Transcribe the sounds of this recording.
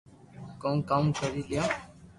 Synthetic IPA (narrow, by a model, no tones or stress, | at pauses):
kõːkamkəɾiːlɪjõː